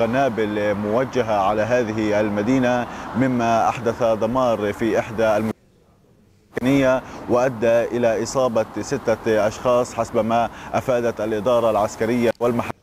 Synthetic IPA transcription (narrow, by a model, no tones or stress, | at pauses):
ɣanaːbɪlmʊwad͡ʒːaɦaʕalaɦaːðɪɦɪʔalmad̪iːnamɪmːaʔa̰ħd̪aθad̪ˤɑmɑːɾˤfiʔɪħd̪aʔalmʊ | akanɪjːawɪʔad̪ːaʔɪlaʔɨsˤɑːbɑsɪt̪ːaʔɑʃxɑːsˤħasbmaʔafaːd̪at̪ʔalʔɪd̪ɑːɾˤɑlʕaskaɾɪjːawɪlmaħa